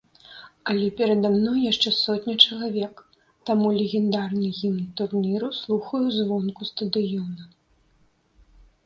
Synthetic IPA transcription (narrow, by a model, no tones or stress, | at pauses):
ɐlʲɛpʲɛɾɐd̪amnɔjjaʂt͡ʂɛsɔt̪ʲnʲɐt͡ʂɐlˠavʲɛk | t̪amulʲɛɣʲɛnd̪arnɨɣʲimnt̪urnʲiɾuslˠuxɐjuzvɔnkust̪ɐd̪ɨjɔnɐ